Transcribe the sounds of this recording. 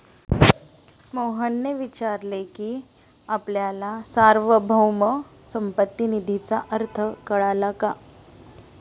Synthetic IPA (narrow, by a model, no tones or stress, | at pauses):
moɦənːeʋit͡ɕaɾleki | apljalasaɾʋəbʱəwməsəmpət̪ːinid̪ʱit͡saʔəɾt̪ʰəkəɭalaka